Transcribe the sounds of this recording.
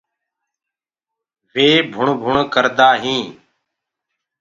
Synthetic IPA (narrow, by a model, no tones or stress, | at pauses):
ʋeːbʱʊɳbʱʊɳkəɾd̪aːɦĩː